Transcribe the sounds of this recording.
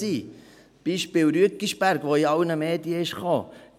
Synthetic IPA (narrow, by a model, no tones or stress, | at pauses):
iː | b̥iːʃpɪlɾyəkiʃb̥æɾɡ̥ʋoiɑwnəmeːdiəɪʃχoː